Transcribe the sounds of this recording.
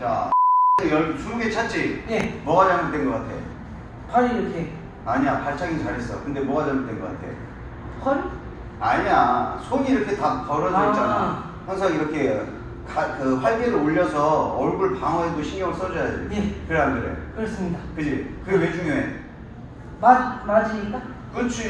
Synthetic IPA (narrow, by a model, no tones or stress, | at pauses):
t͡ɕa̰nɯjʌt͡ɕumuɡet͡ɕʰat̚t͡ɕ͈inemʌɡad͡ʑanɯʌt͈enɡʌk͈atʰe̞̰jo̰ | kaɾiɾʌkʰe | aɲiɲapaɭt͡ɕ͈ʰaŋit͡ɕaɾɦes͈ʌjo̰kɯnde̞mʌɡad͡ʑanɯt͈e̞nɡʌk͈atʰe̞jo̰ | kʌɾ | aɲiɲasʰoŋiːɾʌkʰe̞tapʌɾʌnait͡ɕ͈ana | haŋsʰaŋiɾʌkʰe̞ | kakɯɸwaɭkeɾɯoʎːʌsʰʌʌɭɡuɭpaŋwʌɦedoɕʰiŋɡjʌŋɯɭs͈ʌɾʌjadɯnekɯɾeɦandɯɾḛkɯɾʌs͈ɯmɲidakɯd͡ʑikɯwed͡ʑʰuŋjoe | mamad͡ʑiɲik͈a | kɯt͡ɕʰu